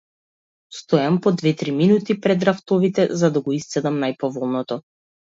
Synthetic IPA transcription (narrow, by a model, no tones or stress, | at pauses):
st̪ɔjampɔd̪vɛt̪ɾiminut̪ipɾɛd̪ɾaft̪ɔvit̪ɛzad̪aɡɔist̪sɛd̪amnajpɔvɔlˠnɔt̪ɔ